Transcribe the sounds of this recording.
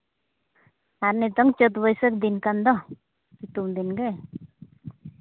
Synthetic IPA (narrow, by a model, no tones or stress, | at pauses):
aɾnit̪ɔŋt͡ʃət̪bəjsək̚d̪inkand̪ɔ | kit̪umd̪inɡe